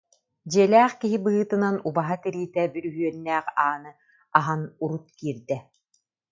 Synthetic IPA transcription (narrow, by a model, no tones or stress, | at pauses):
d͡ʑiɛlæːχkiɦibɯɯːt̪ɯnanubaɦat̪ɛɾiːt̪ɛbyɾyɦyœnːæːχaːnɯ | aɦanuɾut̪̚kiːɾd̪ɛ